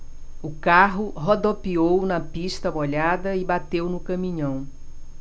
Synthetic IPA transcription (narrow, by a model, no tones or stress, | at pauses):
ʊkaɦʊɦod̪opiownɐpist̪ɐboʎad̪ɐɪbat̪ewnʊkɐ̃mĩɲɐ̃w̃